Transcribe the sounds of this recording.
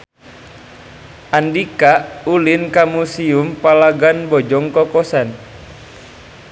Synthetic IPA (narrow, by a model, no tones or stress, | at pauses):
ʔandikaulinkamusiumpalaɡanbɔd͡ʒɔŋkɔkɔsan